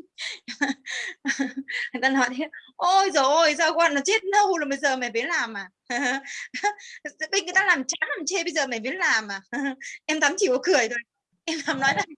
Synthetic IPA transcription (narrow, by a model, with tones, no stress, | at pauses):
t̪aː˧nɔ˨˦jt̪ʰe˨˦ʔo˧jzoː˨˩ʔo˧˩jzaː˧wkwaː˧nɔ˨˦t͡ɕe˦˥t̚nə˧wlo˨˩ɓə˧jzəː˨˩mɛ˨˩vi˨˦nlaː˨˩mʔaː˨˩ha˧˩˧ | ɓə˧jŋ˨jt̪aː˧laː˨˩mt͡ɕaː˨˦nlaː˨˩mt͡ɕe˧ɓə˧jzəː˨˩mɛ˨˩vi˨˦nlaː˨˩mʔaː˨˩hʔɛ˧mt̪ʰaː˨˦mt͡ɕi˧˩wkɔ˨˩kɨ˨˩əjzo˨˩j | ʔɛ˧mla˨˩mnɔ˨˦jna˨˩j